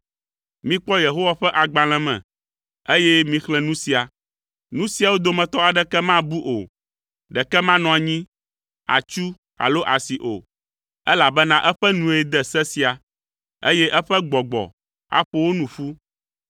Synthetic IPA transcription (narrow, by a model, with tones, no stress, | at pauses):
mĩ˦k͡pɔ˦je˨ɦo˦wa˨ɸɛ˦ʔa˨ɡ͡ba˨l̃ɛ̃˨mɛ̰̃˨ | e˦jɛ˦mĩ˦xlɛ̃˦nũ˦si˨a˨ | nũ˦si˨a˨wo˦d̪o˨mɛ̃˨t̪ɔ˦a˨ɖɛ˦kɛ˦mã˦bu˦ʔo˨ | ɖɛ˨kɛ˦mã˦nɔ̃˨a˨ɲĩ˦ | a̰˨t͡ʃu˦ | a̰˨lo˦ʔa˨si˨ʔo̰˨ | ɛ˦la˨bɛ˦nã˦ʔɛ˦ɸɛ˦nũ˨e˨d̪ɛ˦sɛ˦si˨a˨ | e˦jɛ˦ʔɛ˦ɸɛ˦ɡ͡bɔ˨ɡ͡bɔ̰˨ | a̰˨ɸo˦wo˦nũ˨ɸu˦